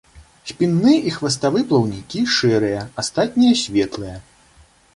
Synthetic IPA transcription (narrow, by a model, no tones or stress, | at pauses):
sʲpʲinːɨʔixvɐst̪avɨplˠɐwnʲikʲiʂɛɾɨjɐast̪at̪̚ʲnʲijɐsʲvʲɛt̪lˠɨjɐ